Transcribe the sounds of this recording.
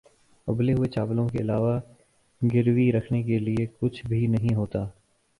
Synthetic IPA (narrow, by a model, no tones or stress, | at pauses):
ʊbleɦʊet͡ʃaːblõkeɪlaːʋa | ɡɪɾwiɾɐkʰnek̬eliekʊt͡ʃʰbʱinɐɦĩɦoːt̪aː